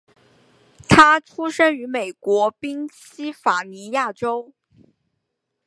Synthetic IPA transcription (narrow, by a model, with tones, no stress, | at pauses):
t̪ʰa˥ʈ͡ʂʰu˥ʂə˥ŋy˧˥me˨˩ɪkwɔ˧˥pi˥ŋɕi˥fa˨˩ni˧˥ja˥˩ʈ͡ʂo˥ʊ